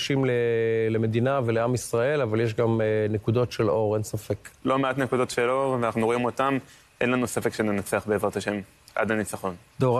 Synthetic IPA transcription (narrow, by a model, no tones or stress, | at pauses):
ʃimleleme̞d̪inaveleamisʁae̞lavaljeʃ̬ɡamnekud̪o̞tʃe̞lo̞ʁe̞nsafe̞klo̞meatnekud̪o̞tʃeloʁveanaχnuʁo̞imo̞tam | ʔenlanusefe̞kʃenenat͡seaχbeezʁat̪aʃe̞m | ʔa̰d̪anit͡saχo̞n | d̥̪oʁ